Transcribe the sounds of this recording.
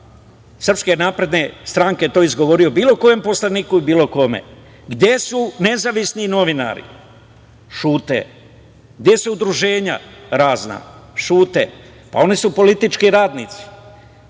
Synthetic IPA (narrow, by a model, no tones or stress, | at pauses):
sr̩pske̞naːpɾe̞d̪ne̞st̪ɾaːŋket̪o̞izɡoʋo̞ɾijo̞biːlo̞ko̞je̞mpo̞slaniːkuibiːlo̞ko̞me̞̰ | ɡd̪je̞sune̞zaʋisnino̞ʋina̰ɾḭ | ʃuːt̪ḛ | ɡ̚d̪je̞suud̪ɾuʒe̞ːɲa̰ɾaːzna̰ʃuːt̪ḛ | pa̰o̞nisupo̞lit̪it͡ʃkiɾaːd̪nit̪si̥